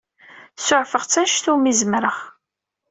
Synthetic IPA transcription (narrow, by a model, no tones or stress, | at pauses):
sʊʕfəʁt͡sːæʃθumizmɾəʁ